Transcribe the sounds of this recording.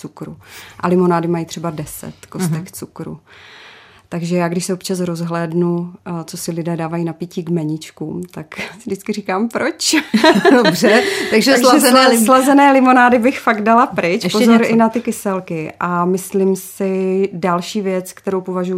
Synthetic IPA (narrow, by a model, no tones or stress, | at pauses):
t͡sukɾṵʔa̰lɪmo̞naːdɪmajit̪r̥ɛbadɛsɛ̰t̪kost̪ɛkt͡sukɾṵ | t̪aɡʒɛjaːɡdɪʃsɛopt͡ʃas̬ɾo̞zɦlɛːdnut͡so̞sɪlɪdɛːdaːvajinapiːciːɡmɛɲɪt͡ʃkuːmt̪aksɪdɪt͡skɪrikaːmpɾot͡ʃ | obrɛt̪aɡʒɛɛɛlazɛnɛːlɪmonaːdɪbɪxfaɡddalapɾɪt͡ʃʃpozoɾɪnat̪ɪkɪsɛlkɪʔamɪslɪmsɪdalʃiːvjɛt͡skt̪ɛɾowpovaʒuju